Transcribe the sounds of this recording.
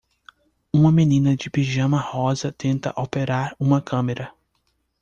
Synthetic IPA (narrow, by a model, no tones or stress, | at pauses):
ũmɐmenĩnɐd͡ʒɪpiʒɐ̃mɐhɔzɐt̪ẽnt̪ɐ̰ʔowpeɾaɾũmɐkʰɐ̃meɾɐ